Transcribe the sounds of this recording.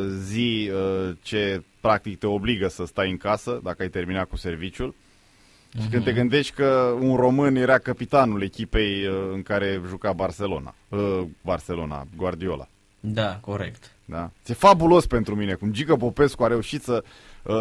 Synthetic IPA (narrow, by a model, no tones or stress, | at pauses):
ziət͡ʃe̞pɾak̚t̪ik̚t̪e̞o̞bliɡəsəst̪ajɨŋkasəd̪akəajt̪e̞rminat̪̚kuse̞rvit͡ʃul | ʃikɨne̞ɡɨnd̪e̞ʃt̪ʲkəunro̞mɨnje̞ɾakəpit̪anule̞kʲipe̞jəɨŋkaɾe̞ʒukabarse̞lo̞̰na̰əbarse̞lo̞na̰ɡward̪io̞la̰ | d̪akoɾekt̪ | d̪at̪sijefabulo̞spe̞nt̪ɾumine̞kumd͡ʒikəpo̞pe̞skuaɾe̞uʃit̪sə | ə